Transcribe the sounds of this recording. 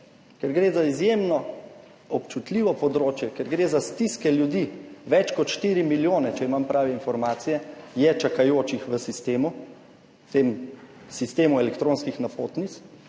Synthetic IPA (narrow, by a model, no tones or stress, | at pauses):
kɛɾɡɾeːzaizjemnɔ | ɔpt͡ʃut̪liʋɔpɔd̪ɾoːt͡ʃjɛkɛɾɡɾeːzast̪iskɛljud̪iːʋɛt͡ʃkɔt̪ʃt̪iːɾimiljoːnɛt͡ʃɛimampɾaːʋɛinfɔɾmaːt̪sijɛjɛt͡ʃakajoːt͡ʃixʋəsist̪eːmu | t̪em | sist̪eːmuɛlɛkt̪ɾõːnskixnapoːt̪nit̪s